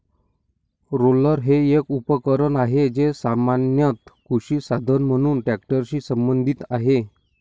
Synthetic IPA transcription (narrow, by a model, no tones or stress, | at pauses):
ɾoləɾɦeekupəkəɾənaɦed͡ʑesamanjət̪kuɕiːsad̪ʱənm̤əɽ̃uːnʈækʈəɾɕiːsəmbənd̪ʱit̪aɦe